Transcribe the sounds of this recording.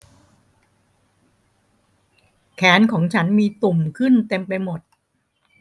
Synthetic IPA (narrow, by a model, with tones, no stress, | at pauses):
kʰɛː˩˦˥nkʰɔː˩˦ŋt͡ɕʰa˦˥nmiː˧t̪u˨˩mkʰɯ˥˩nt̪e˧mpa˧jmo˨˩t̪̚